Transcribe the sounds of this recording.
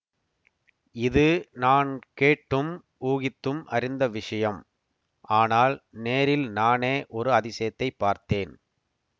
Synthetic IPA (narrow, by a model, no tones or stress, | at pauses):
ɪðɯnaːnkeːʈːɯm | uːɣɪt̪ːɯmʔɐɾɪnd̪ɐʋɪʂɐjɐm | ʔaːnaːlneːɾɪlnaːneːʔɔɾɯɐðɪsɐjɐt̪ːɐɪpːaːɾt̪eːn